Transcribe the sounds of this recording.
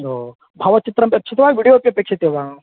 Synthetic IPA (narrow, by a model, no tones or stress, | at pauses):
oː | bʱɐʋɐt͡ʃit̪ɾɐmpʲeɐt͡ʃʰɐt̪ɐʋaːjʋiɽijoːpjɐpeːkʃʰɐt̪eʋã